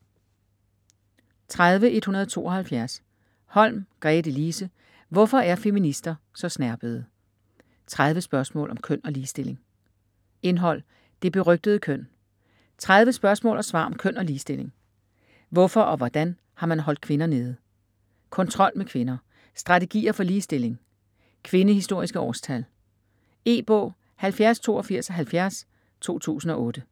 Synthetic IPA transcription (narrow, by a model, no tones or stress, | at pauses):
t͡sʰʁað̞ˠʋəʔe̝d̥hunɐðˠt͡sʰo̝̰ːɒ̽hælfjæɐs | hɒ̽l̰mɡ̥ʁɛːd̥əliːsə | ʋɒfɒ̽ʔæɐfe̝minisd̥ɐ | sɒ̽snæɐb̥əð̞̩ˠ | t͡sʰʁaðˠʋəsb̥ɶɐsmɔ̰̽ːlʔɒ̽mkʰøn̰ɒ̽liːsd̥e̝l̰e̝ŋ | e̝nɦɒ̽l̰ | d̥e̝b̥e̝ʁœɡ̥̚d̥əð̞̩ˠkʰøn̰ | t͡sʰʁað̞ˠʋəsb̥ɶɐsmɔ̰̽ːlɐsʋɑ̰̈ːɒ̽mkʰøn̰ɒ̽liːsd̥e̝le̝ŋ | ʋɔfɒ̽ʔɒ̽ʋɒd̥æn | hɑ̈mænɦɒ̽l̰d̥̚kʰʋe̝nɐne̝ːð̞̩ˠ | kʰɒ̽nt͡sʰʁɒ̽l̰mekʰʋe̝nɐ | sd̥ʁɑ̈t͡sʰe̝ɡ̥ḭːɐfɒ̽liːsd̥e̝le̝ŋ | kʰʋe̝nəhisd̥o̝ɐ̰isɡ̥əɒ̰ːst͡sʰæl | e̝̰ːb̥ɔ̰̽ː | hælfjæɐst͡sʰo̝̰ːɒfiɐ̰sɒɦælfjæɐs | t͡sʰo̝̰ːt͡sʰṵːsn̩ɒ̽ʔɔ̽ːd̥ə